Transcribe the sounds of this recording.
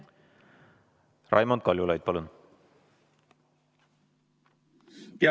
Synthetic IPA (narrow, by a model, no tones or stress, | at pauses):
rʔɑ̰jmond̪̚kɑlʲjulɑjd̪̚pɑlun | t̪